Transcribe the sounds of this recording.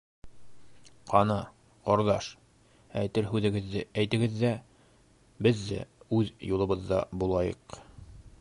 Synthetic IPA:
qɑnɑ | qoɾðɑʃ | æjt̪ɘɾɦʉðɘ̆ɡɘ̆ðːɘæjt̪ɘ̆ɡɘ̆ðːæ | bɘðːæ̰ʉðjulˠɤ̆βɤðːɑ̰bulˠɑjɤ̰q

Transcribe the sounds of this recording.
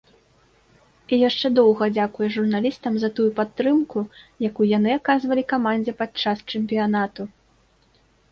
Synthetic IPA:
ijaʂt͡ʂɛd̪ɔwɣɐd͡zʲakujɛʐurnalʲist̪ɐmzɐt̪ujupat̪ːɾɨmkujakujanɨakazvɐlʲikamanʲd͡zʲɛpat̪t͡ʂast͡ʂɛmʲpʲijanat̪u

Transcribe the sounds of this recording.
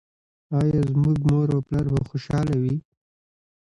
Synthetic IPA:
ɑjɑzmuɡmoɾoplaɾbaxoʃɑlawi

